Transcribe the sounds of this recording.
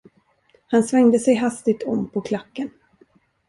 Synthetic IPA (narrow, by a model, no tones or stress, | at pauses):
hansvɛŋd̪əsɛjɦast̪ɪɡ̚t̪ʰɔmːpʰɔkʰlakːən